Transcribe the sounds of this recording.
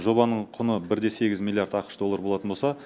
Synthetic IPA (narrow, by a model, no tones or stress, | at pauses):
ʒo̞bɑnəɴqʰʊnəbɪɾd̪e̞se̞ɡʲɪzmʲilʲˠijaɾt̪ɑqə̥ʃd̪o̞lˠːaɾbo̞lˠɑt̪ənbosɑ